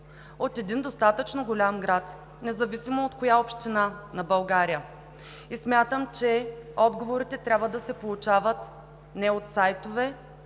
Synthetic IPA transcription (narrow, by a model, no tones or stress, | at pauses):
ot̪ɛd̪ind̪ost̪at̪ət͡ʃnoɡolʲamɡɾat̪ | nɛzɐvisimoot̪kojaopʃt̪inanɐbɐlˠɡaɾijə | ismʲjat̪əmt͡ʃɛɔd̪ɡovoɾit̪ɛt̪ɾʲabvəd̪ɐsɛpolˠʊt͡ʃavət̪ | nɛot̪sajt̪ovɛ